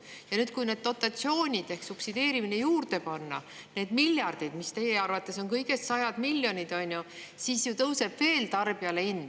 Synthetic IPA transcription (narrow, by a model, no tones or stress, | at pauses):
jɑnyːd̪̥̚kujne̞d̪̥̚t̪o̞t̪ːˑɑt̪sio̞ːnʲid̪̥e̞hksupsid̪e̞ːɾiminejuːrd̪e̞pɑnːɑ̰ | ne̞ːd̪̥milʲjɑrd̪̥id̪mist̪e̞jeɑrvɑt̪ːˑe̞so̞ŋkɤjɡ̥e̞st̪sɑjɑd̪̥milʲːjo̞nʲid̪̥o̞nʲju | siːsjut̪ɤwse̞b̥ve̞ːlt̪ɑrb̥iɑleinː